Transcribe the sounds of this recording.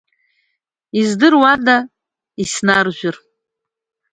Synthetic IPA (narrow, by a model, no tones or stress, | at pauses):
izdɨrwada | isnarʒᶣʷʏr